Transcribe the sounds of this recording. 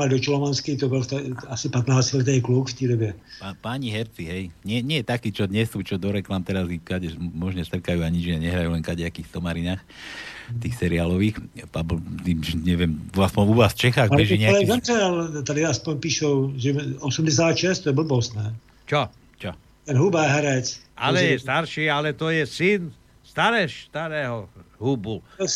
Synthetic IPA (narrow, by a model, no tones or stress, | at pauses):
ad̪ɔt͡ʃɔlɔmanskit̪ɔbɛlt̪asipat̪naːt͡silɛt̪̬ɛɛklukft̪iɾɔbjɛpapaɲiɦɛɾt͡siɦɛjɲɪɛɲɪɛjɛt̪akiːt͡ʃɔd̪ɲɛsuːt͡ʃɔd̪ɔɾɛklamt̪ɛɾazikaɟɛmɔʒɲɛst̪r̩kajuːaɲid͡ʒɲɛɲɛɦɾajulɛnkaɟɛakiːxsɔmaɾinaːx | ft̪iːxsɛɾiaːlɔʋiːxpabɔt̪iːmʒɲɛʋɛmaspɔnuʋaːsft͡ʃɛxaːɣabɛʒiɲɛlzɛnɛalt̪adaaspɔɲpiːʃɔlʒɛɔsumɟɛs̬jad̪aʃɛst̪ɔjɛbl̩bɔsnɛː | t͡ʃɔ | t͡ʃɔ | t̪ɛnɦubaːɦɾacʔalɛjɛst̪aɾʃiːalɛt̪ɔjɛsin | st̪aɾɛʃst̪aɾɛːɦɔɦubul